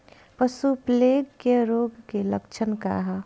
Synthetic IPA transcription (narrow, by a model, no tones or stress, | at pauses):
pəsupleɡkeɾoːɡkeləkt͡ʃʰənka̰ɦa